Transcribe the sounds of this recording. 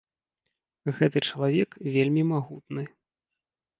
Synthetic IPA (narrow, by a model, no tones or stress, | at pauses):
ɣɛt̪ɨt͡ʂɐlˠavʲɛkvʲelʲmʲimaɣut̪̚nɨ